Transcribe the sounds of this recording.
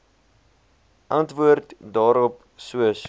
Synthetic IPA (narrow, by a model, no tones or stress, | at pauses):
ʔɐntvuərtdɑːɾɔp | suəs